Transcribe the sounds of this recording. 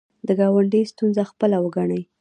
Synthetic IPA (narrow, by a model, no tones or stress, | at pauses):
d̪əɡɑwaɳɖəjst̪unzaxpəlawəɡaɳəj